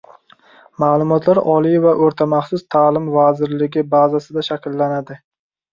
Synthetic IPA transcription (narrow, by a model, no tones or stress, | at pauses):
maːlˠʊmɒt̪ʰlaɾɒlˠivaʔoɾt̪ʰamaχsʊst̪ʰaːlɪmvazɪɾlɪɡʲɪbazasɪd̪aʃakʲlːanad̪ɪ